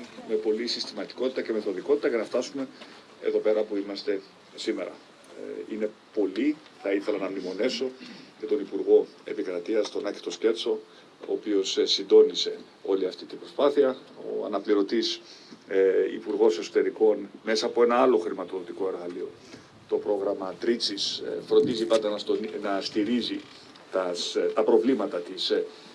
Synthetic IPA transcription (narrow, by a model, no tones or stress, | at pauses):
me̞po̞lisist̪imɐt̪i̥ko̞t̪it̪ɐce̞me̞θo̞ðiko̞t̪it̪ɐcenɐft̪ɐsume̞ | ḛðo̞pe̞ɾɐpuimɐst̪e̞ | sime̞ɾɐ̰ | ine̞po̞li | θɐiθe̞lɐnɐmlimo̞ne̞so̞ce̞t̪o̞nipuɾɣo̞e̞̰pikɾɐt̪iɐst̪o̞nɐci̥t̪o̞sce̞t͡so̞ | o̰ːpio̞ssind̪o̞nise̞ | o̞liɐft̪it̪ibɾo̞spɐθiɐo̰ɐ̰nɐpliɾo̞t̪is | ḭpuɾɣo̞seso̞t̪e̞ɾiko̞nmesɐːpo̞e̞nɐɐlo̞xɾimɐt̪o̞ðo̞t̪iko̞e̞ɾɣɐlio̞ | t̪o̞pɾo̞ɣɾɐmɐt̪ɾit͡sisfɾo̞nd̪izipɐnd̪ɐnɐsnɐst̪iɾizi | t̪ɐst̪ɐpɾo̞vlimɐt̪ɐt̪is